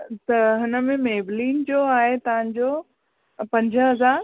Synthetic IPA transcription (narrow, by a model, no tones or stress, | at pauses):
t̪ɐɦɪnə̆mẽmeːbliːnd͡ʑoːaːɦet̪ɐʋ̤ãɲd͡ʑoː | pɐ̃ɲd͡ʑʱə̆ɦɐzaːɾ